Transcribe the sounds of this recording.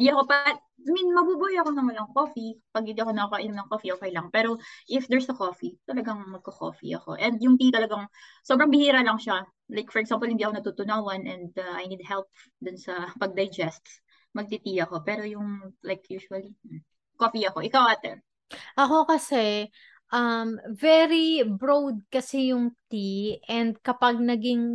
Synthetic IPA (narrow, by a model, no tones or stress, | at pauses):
d̪iɐkopɐ | minmɐbuːbujɐkonɐmɐlaŋkofipɐɡ̚hɪnd̪iːɐkonɐakɐʔɪnʊmnɐŋkofiʔokɐjlɐŋpɛːɾoʔɪfd̪ɛɹsɐkofit̪ɐlɐɡaŋmɐɡ̚kɐko̰fḭʔɐ̰ko̞̰ʔɛnd̪jʊŋt̪it̪ɐlɐɡaŋsobɾɐŋbɪhiːɾɐlɐŋʃa | lajkfɔɹɛɡsampɔlhɪnd̪iɐkonɐt̪uːt̪ʊnawɐnʔɛnd̪ɐʔajnid̪̚hɛlp̚ | d̪ʊnsɐpɐɡ̚d̪ɐjd͡ʒɛst̪s | mɐɡ̚t̪it̪iɐko̞pɛːɾo̞jʊŋlajkʰjuːʃuɐli | kofiɐko̞ʔɪkawʔat̪ɛ̰ɹ | ʔɐko̞kɐsɛ | ʔɐmvɛɾibɹowd̪̚kɐsɛjʊŋt̪iʔɛnd̪̚kɐpɐɡ̚nɐɡiŋ